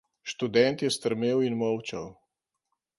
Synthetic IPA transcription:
ʃt̪ud̪ɛnt̪jɛst̪əɾmeːwinmɔwt͡ʃɐw

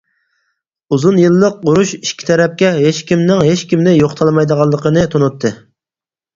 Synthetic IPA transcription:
uzunjɨlˠːəq̚ːuɾuʃiʃkʲʰi̥t̪ʰɛɾɛp̚kʲɛɦeʃkʲimnɪŋɦeʃkʲimnɪjoχt̪ʰɑlˠmɑjd̪əʁɑlˠːəqʰənɨt̪ʰonut̪ʰːɨ

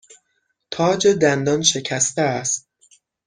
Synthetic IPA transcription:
t̪ʰɒːd͡ʒe̞d̪ænd̪ɒnʃe̞cʰæst̪eæst̪̚

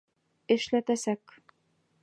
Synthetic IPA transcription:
ɘ̆ʃlæt̪æsæk

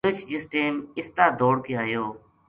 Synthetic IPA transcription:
ət͡ʃd͡ʒɪsʈeːmɪst̪aːd̪ʱoːɽkɪaːjoː

